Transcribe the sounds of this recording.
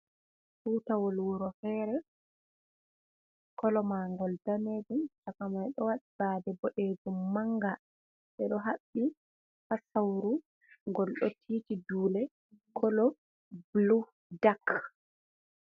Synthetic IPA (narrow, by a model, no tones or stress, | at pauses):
fuːtawɔlwuɾɔfɛːɾɛ | kɔlɔmaŋɡɔldaneːd͡ʒumt͡ʃakamajɗɔwaɗib̥aːdɛbɔʔeːd͡ʒumːaŋɡa | ɓɛɗɔɦaɓːi | hasawɾu | ŋɡɔlɗɔtʰiːtiduːlɛ | kʰɔlɔ | blu | dak